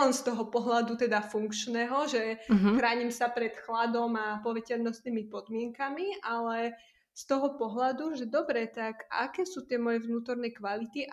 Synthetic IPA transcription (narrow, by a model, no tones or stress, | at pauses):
ɛnst̪ɔɦɔpɔɦlad̪ut̪ɛd̪afuŋkt͡ʃnɛɦɔʒɛɦxɾaːɲimsapɾɛt̪xlad̪ɔmapɔʋɛcɛʎnɔst̪niːmipɔd̪mɪɛŋkamiʔalɛ | st̪ɔɦɔpɔɦlad̪uʒɛd̪ɔbɾɛt̪aka̰kɛːsuːt̪ɪɛmɔjɛʋnuːt̪ɔɾnɛkʋalit̪iʔ